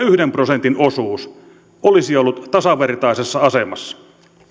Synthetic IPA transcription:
yhdemprosent̪inosuːs | olisiolːut̪t̪ɑsɑʋert̪ɑisesːɑɑsemɑsːɑ̥

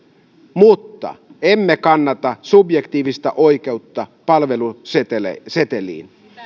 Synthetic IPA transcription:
mut̪ːɑ̰e̞mːekɑnːɑt̪ɑsubje̞kt̪iːʋist̪æʔojk̟e̞ut̪ːɑpɑlʋe̞luseḛse̞t̪elḭːn

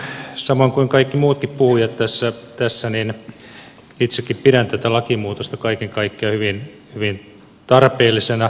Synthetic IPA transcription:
sɑmoŋkuiŋkɑikːimuːt̪kippuhuijɑt̪t̪æsːæt̪æsːænin | it̪sekːippiɾænt̪æt̪ælɑkimuːt̪ost̪ɑkɑikeŋkɑikːiɑhyʋin | hyʋin | t̪ɑrpeːlːˑisenɑ

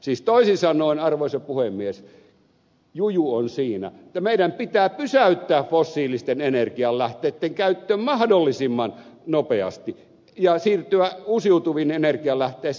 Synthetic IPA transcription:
siːst̪oˑisinsɑnˑoˑinɑrʋoˑisɑpuhemːies | jujuonsiːnæ̰ĕt̪ːæmeiɾæmpit̪æːpysæyt̪ːæːffosːiːlist̪enenerkiɑllæht̪eːt̪ːeŋkæyt̪ːøːmmɑhdolːisimːɑnnopeɑ̰st̪i | jɑsiːrt̪yæusiut̪uʋinenerkiɑlæht̪ˑeː

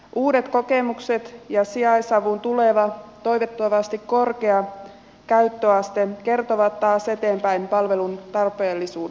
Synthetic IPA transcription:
ʔuːde̞t̪ko̞ke̞mukse̞t̪jɑsiɑjsɑʋunt̪ule̞ʋɑt̪o̞jʋet̪ːoʋɑst̪ikko̞rkeɑ | kæyt̪ːøɑst̪eke̞rt̪o̞ʋɑt̪tɑːse̞t̪e̞ːmpæjmpɑlʋelunt̪ɑrpe̞ːlːisuː

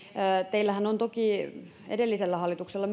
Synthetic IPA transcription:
t̪eilːæhænont̪oki | ḛdelːiselːæhɑlːˑit̪ukselːɑm

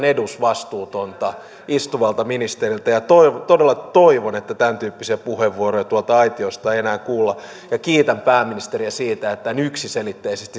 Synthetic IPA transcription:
nedusʋɑst̪uːt̪ont̪ɑ | ist̪uʋɑlt̪ɑminist̪erilt̪æjɑt̪oit̪odelːɑt̪oiʋonet̪ːæt̪ænt̪yːpːisiæpuheʋːuorojɑt̪uolt̪ɑɑit̪iost̪ɑeenæːŋkuːlːɑ | jɑkiːt̪æmpæːmːinist̪eriæsiːt̪æet̪ːænyksiselit̪ːeisest̪i

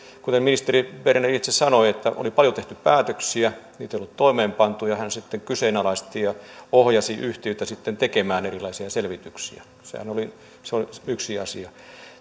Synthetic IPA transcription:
kut̪eminist̪eriʋerenerit̪sessɑnoiet̪ːæʔo̰lipɑljot̪eht̪yppæːt̪øksiæniːt̪eijolːˑut̪t̪oimeːmpɑnt̪ujɑhænsit̪ːeŋkyseːnɑlɑist̪ijɑohjɑsiʔyht̪iøyt̪æsit̪ːent̪ekemæːnerilɑisiɑselʋit̪yksḭæ̰ | sḛhæ̰noli | seoiyksiɑ̰siɑ

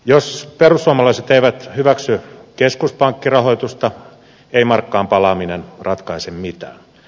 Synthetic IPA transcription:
josperusːuɑmɑlɑiset̪eiʋæt̪hyʋæksykeskuspɑŋkːirɑhoit̪ust̪ɑ | eimɑrkːɑːmpɑlɑminenrɑt̪kɑisemmit̪æ̰ː

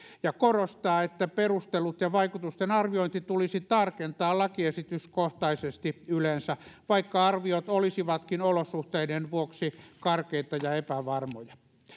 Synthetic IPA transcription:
jɑkorost̪ɑːet̪ːæperust̪elut̪jɑʋɑikut̪ust̪enɑrʋioint̪it̪ulisit̪ɑrkent̪ɑːlɑkiesit̪yskoht̪ɑisest̪iylensæʋɑikːɑɑrʋiot̪olisiʋɑt̪kinolosuht̪eidenʋuoksikɑrkeit̪ɑjɑepæʋɑrmojɑ

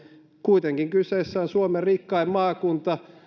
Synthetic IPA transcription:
kuit̪eŋkiŋkyseːsːæːnsuomerikːɑimmɑːkunt̪ɑ

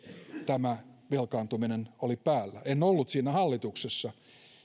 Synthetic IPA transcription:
t̪æmæʋelkɑːnt̪uminenolipæːlːæenolːut̪siːnæhɑlːit̪uksesːɑ

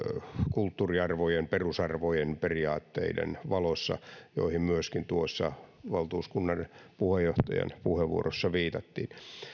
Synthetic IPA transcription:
kult̪ːuriɑrʋojemperusɑrʋojenperiɑːt̪ːḛidḛnʋɑlosːɑ̰jo̰ihimmyøskint̪uosːɑʋɑlt̪uːskunːɑnpuhejoht̪ɑjɑ̰npuheʋʋuorosːɑʋiːt̪ɑt̪ːiːn

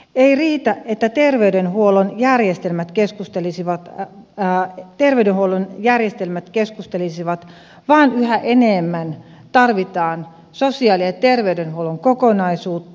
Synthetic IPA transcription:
eiriːt̪æʔʔet̪ːæt̪erʋeydenhuolonjærjest̪elmæt̪keskust̪elisiʋɑt̪ː | t̪erʋeydenhuolonjærjest̪elmæt̪keskust̪elisiʋɑt̪ | ʋɑːnyhæʔeneːmːæn | t̪ɑrʋit̪ɑːn | sosiɑliset̪erʋeydenhuoloŋkokonɑisuːt̪ːɑ̥

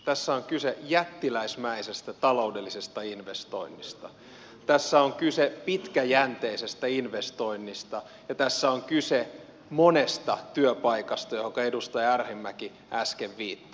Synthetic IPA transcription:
t̪æsːæoŋkysejæt̪ːilæismæisest̪æt̪ɑloudelːisest̪ɑinʋest̪o̰inːist̪ɑ | t̪æsːæoŋkysepit̪kæjænt̪eisest̪æinʋest̪oinːist̪ɑ | jɑt̪æsːæoŋkyse | monest̪ɑt̪yøpɑikɑst̪ɑjohokɑedust̪ɑjærhimːæki | æskeʋːiːt̪ːɑ̥

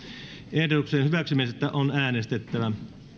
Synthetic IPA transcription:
ehdot̪ukseːnhyʋæksymiset̪ːæʔonæːnest̪et̪ːæʋæ

